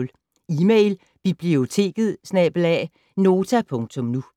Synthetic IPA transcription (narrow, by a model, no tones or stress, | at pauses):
l | iːmeɪl | b̥ib̥lio̝t͡sʰe̝̰ːɡ̥ð̩ˠsnɛːb̥əlɛ̰ː | no̝ːt͡sʰæpʰɔ̽ŋt͡sʰɔ̽mnu